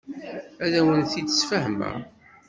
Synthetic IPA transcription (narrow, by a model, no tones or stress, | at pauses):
æðæwənθid̪sfəhmæ̰